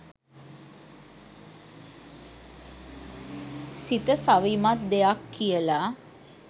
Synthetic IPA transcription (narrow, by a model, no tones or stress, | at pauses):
sit̪əsaʋimat̪̚d̪ejakːiəlaː